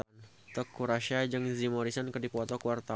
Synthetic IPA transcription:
t̪ɔkːuɾaʃad͡ʒɨŋzimɔɾisankərdipɔt̪ɔkuwart̪a

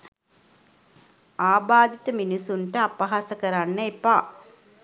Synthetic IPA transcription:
aːbaːd̪it̪əminisunʈəapɐɦasəkəɾanːəepaː

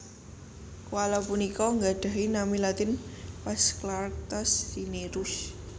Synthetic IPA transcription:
walɔpunikɔŋɡaɖ̥a̤ɦinamilat̪ɪnpɛsklart̪ɔsdineɾuʊs

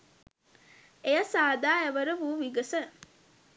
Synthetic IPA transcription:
ejɐsaːd̪aːeʋəɾəʋuːʋiɡəsə

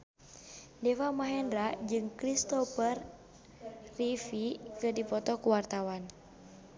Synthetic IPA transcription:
dɛwamaɦɛndɾad͡ʒɨŋkɾist̪ɔpər | ifikɨrdipɔt̪ɔkuwart̪awan

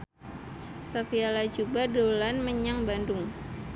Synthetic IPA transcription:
safialad͡ʒubadolanməɲaŋbandʊŋ

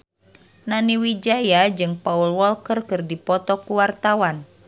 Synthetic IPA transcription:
naniwid͡ʒajad͡ʒɨŋpaulwɔlkərkərdipɔt̪ɔkuwart̪awan

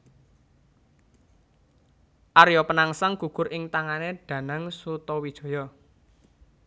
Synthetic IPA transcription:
ʔaɾjɔpənaŋsaŋɡ̥ṳɡ̥ʊ̤ɾɪŋt̪aŋaneɖ̥ä̤naŋsut̪ɔwid̥ʒ̥ɔ̤jɔ

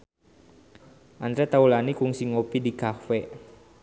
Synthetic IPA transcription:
ʔant̪ɾɛt̪aulanikuŋsiŋopidikafɛ

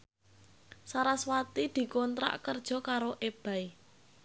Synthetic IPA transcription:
saɾaswat̪id̪̥i̤kɔnt̪ɾa̰ʔkərd̥ʒ̥ɔ̤kaɾoʔeb̥a̤i

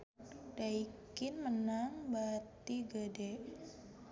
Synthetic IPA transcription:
d̥aikɪnmənaŋbat̪iɡədɛ

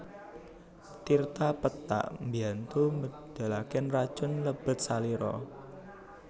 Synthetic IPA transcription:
t̪irt̪apət̪ːa̰ʔmbiant̪umə | d̪̥a̤lakɛnrad̥ʒ̥ʊ̤nləb̥ə̤t̪̚saliɾɔ̰

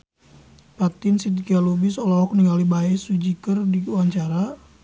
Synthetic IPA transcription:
pat̪insit̪ikialubisɔlɔɔk̚niŋalibaɛsud͡ʒikərdiuwaɲt͡ʃaɾa

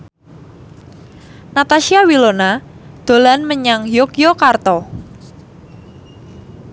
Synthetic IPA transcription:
nat̪aʃiawilonad̪̥o̤lanməɲaŋjokjɔkart̪ɔ

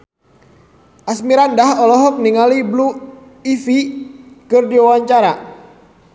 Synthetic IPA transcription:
ʔasmiɾandahɔlɔɦɔk̚niŋaliblu | ifikɨrdiwawaɲt͡ʃaɾa

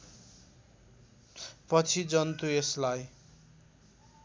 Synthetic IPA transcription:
pʌt͡sʰid͡zʌnt̪ueslaj

